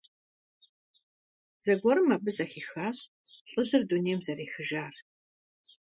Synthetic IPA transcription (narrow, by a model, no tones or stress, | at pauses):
z̥ɐɡʷɔɾɨmɐbɨzɐxiːxaːɕɕʼʊʑɨrduneːmzɐreːxɨʒaːr